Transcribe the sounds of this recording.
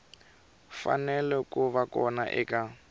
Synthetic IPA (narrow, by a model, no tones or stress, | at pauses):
fa̰nɛlɛkuβakɔna̰ʔɛ̰ka